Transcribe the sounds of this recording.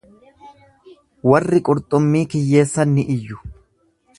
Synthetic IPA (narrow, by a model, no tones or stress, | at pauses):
wɐrːɪkʼʊɾt̪ʼʊmːiːkɪjːe̞ːsːɐnːɪʔɪjːʊ̥